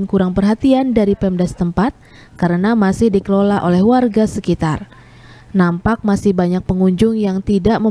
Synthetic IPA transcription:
nkuɾaŋpərɦat̪iandaɾipɛmdast̪əmpat̪̚ | kəɾənamasɪhdikəlolaʔolɛhwarɡasəkit̪ar | nampak̚masɪhbaɲak̚pəŋuɲd͡ʒʊŋjaŋt̪idaʔmə

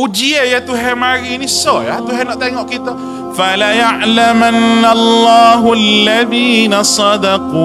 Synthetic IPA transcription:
ud͡ʒiejat̪uɦɛmaɾinisɔjat̪uɦɛnɔʔt̪ɛŋɔʔkit̪a | falajaʕlamanːalˤːaːɦalːaðiːnasˤɑd̪ɑquː

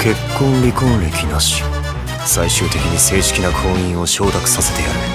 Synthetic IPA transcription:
ke̞kːõ̞nɾʲikõnɾʲekʲinaɕi̥ | saiɕɨːt̪e̞kʲiɲ̟ise̞ːɕi̥kʲinakʰõ̞ːĩɰ̃o̞ɕo̞ːt̪akɯ̟̥sase̞̥t̪e̞jaɾɯ̟

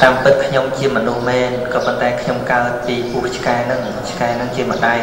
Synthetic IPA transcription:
t̪aːmpɨt̪̚kʰɲomt͡ɕiəmɔnuhmɛːnkɑːpont̪aɛkʰɲomkaət̪̚piːpuəht͡ɕʰkaɛnɨŋ | t͡ɕʰkaɛnɨŋt͡ɕiəmə̆ɗaj

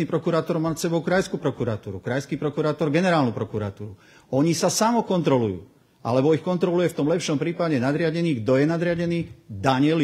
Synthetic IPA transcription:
niːpɾɔkuɾaːt̪ɔɾmaːsɛbɔʊkɾajskupɾɔkuɾat̪uːɾukɾajskiːpɾɔkuɾaːt̪ɔɾɡɛnɛɾaːlnupɾɔkuɾa̰t̪uːɾu | ɔɲisasamɔkɔnt̪ɾɔlujṵː | ʔa̰lɛbɔixkɔnt̪ɾɔlujɛft̪ɔmlɛpʃɔmpɾiːpaɟɛnad̪ɾɪaɟɛniːɡd̪ɔjɛnad̪ɾɪaɟɛniːd̪aɲɪɛl

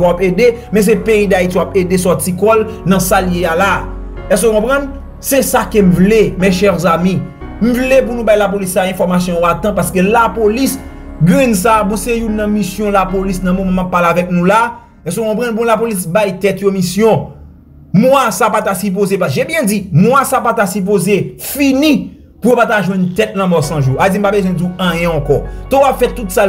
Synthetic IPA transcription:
wapedemɛ̃s̬epeid̪aitiwapedesɔt͡sikɔlnɐ̃saljeala | ɛs̬kokɔ̃pʁɐ̃n | sesakem̩vlemeʃɛʁzamĩ | m̩vlep̬unũbajlap̬olisːaɛ̃fɔʁmas̬jɔ̃joat̪ɐ̃p̬askelapolis | ɡʁɛ̃ns̬abɔ̃sejunːɐ̃misjɔ̃lapolisnɐ̃momãmapːalavɛk̚nũla | ɛs̬okɔ̃pʁɐ̃nb̬ũlapolis̬bajt̪ɛt̪jomisjɔ̃ | mwasapat̪asyp̬ozepaʒebjɛ̃d͡zimw̃asapat̪asyp̬ozefinĩ | pujopataʒwɛ̃nt̪ɛt̚lɐ̃mɔsɐ̃ʒuad͡zim̩pabezwɛ̃duãjɛ̃ɐ̃kɔtɔ̃apfɛtːutsa

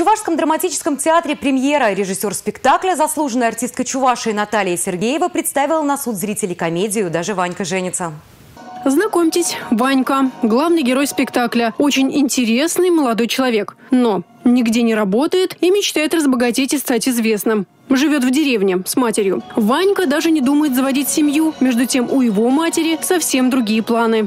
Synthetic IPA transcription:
ʊvaʂskəmd̪ɾəmɐtʲit͡ɕɪ̥skəmtʲɪat̪ɾʲɪpɾʲɪmje̞ɾəɾʲɪʐɨsʲo̞rspʲɪkt̪aklʲəzɐslˠuʐənəjɐrtʲist̪kət͡ɕʊvaʂɨɪnɐt̪alʲɪjəsʲɪrɡʲejɪvəpɾʲɪt̪st̪avʲɪlˠənɐsut̪zɾʲitʲɪlʲɪjkɐmʲedʲɪjʊd̪aʐɨvanʲkəʐɛnʲɪt̪sə | znɐko̞mʲtʲɪsʲvanʲkəɡlˠavnɨjɡʲɪɾo̞jspʲɪkt̪aklʲəo̞t͡ɕɪnʲɪnʲtʲɪɾʲe̞snɨjməlˠɐd̪o̞jt͡ɕɪlˠɐvʲe̞kno̞ | nʲɪɡdʲenʲɪɾɐbo̞t̪əjɪt̪imʲɪt͡ɕt̪ajɪt̪rəzbəɡɐtʲetʲɪst̪atʲɪzvʲe̞snɨm | ʐɨvʲo̞t̪vdʲɪɾʲe̞vnʲɪsmatʲɪɾʲjʊvanʲkəd̪aʐɨnʲɪd̪uməjɪt̪zəvɐdʲitʲsʲɪmʲjumʲe̞ʐd̪ʊtʲe̞mʊjɪvo̞matʲɪɾʲɪsɐfsʲe̞md̪ɾʊɡʲijəplˠanɨ

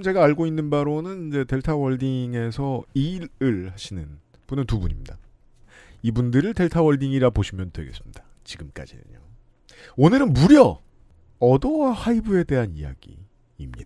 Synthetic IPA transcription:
mt͡ɕe̞ɡaːɭɡoinːɯnbaɾonɯnind͡ʑe̞te̞ɭtʰawʌɭdiŋe̞sʰʌiɾɯɭhaɕʰinɯn | b̥unɯntubuɲimɲida | ibundɯɾɯɭte̞ɭtʰawʌɭdiŋiɾaboɕʰimjʌntwe̞̰ɡe̞̰s͈ɯ̥mɲid̥ḁ | t͡ɕiɡɯmk͈a̰d͡ʑḭnɯ̰ɲo̰ | onɯɾɯnmuɾjʌ | ʌdʌwahaibɯe̞de̞ɦanḭja̰ɡḭ | imɲida

